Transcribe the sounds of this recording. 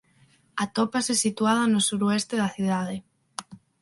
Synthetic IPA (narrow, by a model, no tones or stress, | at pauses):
at̪opasesit̪uað̞anosuɾoest̪eðaθjuð̞aðe